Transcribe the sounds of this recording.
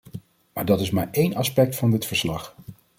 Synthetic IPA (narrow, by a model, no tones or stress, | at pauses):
maːɹdɑtɪsmaːɹejnɑspɛk̚tfɑndɪtfəɹslɑχ